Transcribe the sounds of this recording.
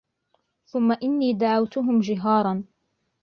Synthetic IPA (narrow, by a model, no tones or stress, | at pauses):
θʊmːaʔɪnːiːd̪aʕawt̪ʊɦʊmd͡ʒɪɦɑːɾˤɑn